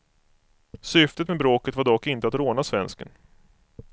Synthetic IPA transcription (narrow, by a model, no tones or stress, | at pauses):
sʏft̪ət̪mebɾoːkət̪vaɖɔkːɪnt̪əat̪ɾoːnasvɛnskən